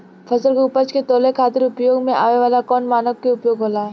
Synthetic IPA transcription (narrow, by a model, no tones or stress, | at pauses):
fʰɐsəlkʊpət͡ʃket̪oːlekʰaːt̪ɪɾʊpjoːɡmẽʔa̰ːʋeʋaːlakɔːnmaːnəkkːeʊpjoːɡɦoːlaːɦɛː